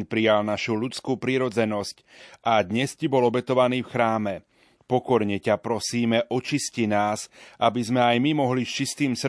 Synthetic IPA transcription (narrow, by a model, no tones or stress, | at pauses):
ɲpɾijalnaʃuʎut͡skupɾiɾɔd͡zɛnɔsc | ʔad̪ɲɛscibɔlɔbɛt̪ɔʋaniːfxɾaːmɛ | pɔkɔɾɲɛcapɾɔsiːmɛʔɔt͡ʃiscinaːzʔabizmɛajmimɔɦliʃt͡ʃist̪iːmsr